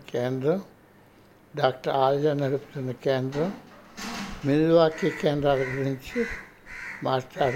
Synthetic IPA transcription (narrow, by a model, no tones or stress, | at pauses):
keːnd̪ɾɐ | ɖaːk̚ʈɐɾaːld͡ʒɐnɐɾupt̪unɐkeːnd̪ɾɐ | milʋaːkːikeːnd̪ɾaːðɐɡuɾiɲt͡ɕɨ | maːtaːɾ